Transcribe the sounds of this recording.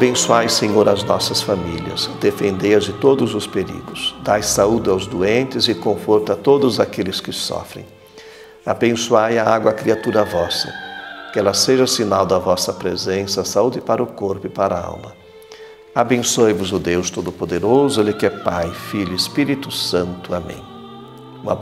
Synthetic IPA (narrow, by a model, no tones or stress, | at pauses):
abẽsuajsẽɲoɾɐznɔsɐsfamiliɐ̰zd̪efẽnd̪ejɐzd͡ʒɪt̪od̪ʊzʊspeɾḭɡʊz̥d̪ajsaud̪ɪawzd̪uẽnt̪ɪzɪkõfoɾt̪ɐt̪od̪ʊzakelɪskɪsɔ̰fɾḛ̃j̃ | abẽsuajɐaɡwɐːkɾiat̪uɾɐvɔsɐ̰kɪɛlɐseʒɐsinawd̪ɐvɔsɐpɾezẽsɐsaud̪ɪpaɾɐʊkoɾpʊɪpaɾɐa̰wmɐ | abẽsojvʊzʊd̪ewst̪od̪ʊpod̪eɾozʊelɪkɪɛpajfiʎʊispiɾit̪ʊsɐ̃nt̪ʊamḛ̃j̃ | ũmɐ̰